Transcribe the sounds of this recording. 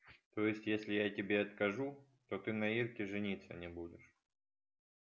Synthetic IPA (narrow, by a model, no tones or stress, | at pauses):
t̪ojɪsʲtʲjesʲlʲɪjatʲɪbʲeɐt̪kɐʐu | t̪ot̪ɨnɐirkʲɪʐɨnʲit̪sːə̰nʲɪbudʲɪʂ